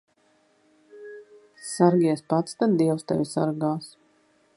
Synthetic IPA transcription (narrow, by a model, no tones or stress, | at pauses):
saɾɡʲiɛspat̪st̪ad̪̚d̪iɛwst̪ɛ̰vʲisaɾɡaːs